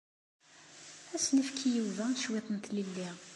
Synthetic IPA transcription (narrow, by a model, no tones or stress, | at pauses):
æsnəfkʰijiwðæʃwit̪ˤənt̪lilːiʁ